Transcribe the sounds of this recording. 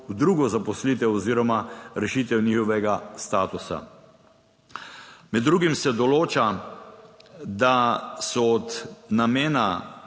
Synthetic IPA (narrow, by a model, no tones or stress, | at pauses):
wd̪ɾuːɡɔzapɔsliːt̪ɛwɔziːɾɔmaɾɛʃit̪ɛwniːxɔʋɛɡast̪aːt̪usa̰ | mɛd̪ːɾuɡimsɛd̪ɔloːt͡ʃa | d̪asɔɔt̪nameːna